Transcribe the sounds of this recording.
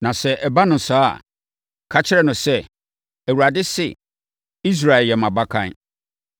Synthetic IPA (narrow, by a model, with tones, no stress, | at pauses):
nã˨sɛ˦ʔɛ˨ba˦nʊ̃˨n˨saː˦˨ | kʰa˦t͡ɕʰɪ˦ɾɛ˦nʊ̃˨sɛ˦ | æ˨wu˨ɾa˨dɪ˦sɪ̰˨ | i˦s̬ɾa˨ɪ˨ljɛ˨mã˨ba˦kʰã̰˦n